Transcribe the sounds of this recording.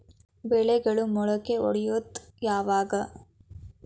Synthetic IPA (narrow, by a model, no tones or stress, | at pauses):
ʋɛɭɛɡɐɭumɔɭɐkeɔ̰ɽɛjod̪jaːʋaːɡɐ